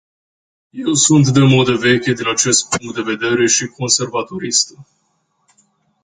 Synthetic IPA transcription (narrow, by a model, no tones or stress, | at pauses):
je̞wsunt̪d̪e̞mo̞d̪əve̞kʲed̪inat͡ʃe̞st̪̚puŋk̚t̪̚d̪e̞ve̞d̪e̞ɾe̞ʃiko̞nse̞rvat̪o̞ɾist̪ə